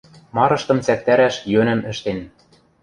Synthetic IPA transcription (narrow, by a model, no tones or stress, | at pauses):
mɑɾɤ̆ʃt̪ɤ̆mt͡sæk̚t̪æɾæʃjønɘ̆mɘ̆ʃt̪en